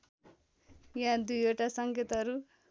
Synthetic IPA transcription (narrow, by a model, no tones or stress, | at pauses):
jãd̪ujoʈasʌŋket̪ʌɾu